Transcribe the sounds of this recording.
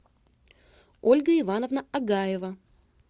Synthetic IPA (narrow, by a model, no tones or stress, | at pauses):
olʲɡəɪvanəvnəɐɡajɪvə